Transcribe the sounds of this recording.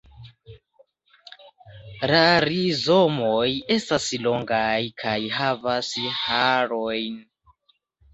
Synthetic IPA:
laɾizomoje̞staslo̞ŋɡajkʰajɦavasihaɾojn

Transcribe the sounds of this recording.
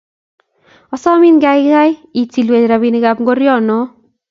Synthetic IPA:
ɔsɔminɡajɡajit͡silwed͡ʒɾabiniɡabɡɔɾjɔno

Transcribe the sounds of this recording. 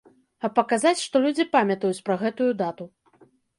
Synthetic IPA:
ɐpːɐkazat͡sʲʂt̪ɔlʲud͡zʲipamʲɐt̪ɐjut͡sʲpɾɐɣɛt̪ujud̪at̪u

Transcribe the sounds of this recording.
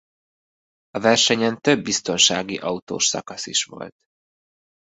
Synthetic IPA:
ɒvɛrʃɛɲɛnt̪ø̞bːist̪o̞nʃaːɡiʔɒut̪o̰ːʃsɒ̰kɒsiʃʋo̞̰lt̪

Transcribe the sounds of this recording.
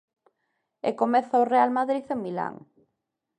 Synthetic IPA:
ḛkomɛθaorealmaðɾiðemila̰ŋ

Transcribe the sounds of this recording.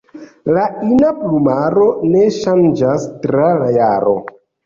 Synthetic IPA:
lainaplumaɾo̞ne̞ʃand͡ʒastɾalajaɾo̞̰

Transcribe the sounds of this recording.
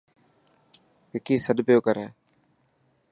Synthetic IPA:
pɪkiːsəɗpjoːkəɾeː

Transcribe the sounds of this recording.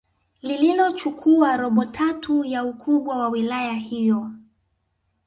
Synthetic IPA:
lililɔt͡ʃukʰuaɾɔɓɔtʰatʰujaukʰuɓwawawilajahijɔ

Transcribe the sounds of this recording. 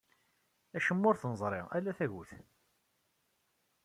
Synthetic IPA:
æʃəmːʊɾθnəzˤɾˤɪʁælːæθæʝuθ

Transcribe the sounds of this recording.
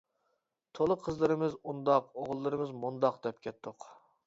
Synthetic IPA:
t̪ʰolˠəqʰəzlˠɨɾɨmɨzund̪ɑqoʁlˠːɨɾɨmɨzmund̪ɑqd̪ɛp̚kʲʰɛt̪ʰːʊq

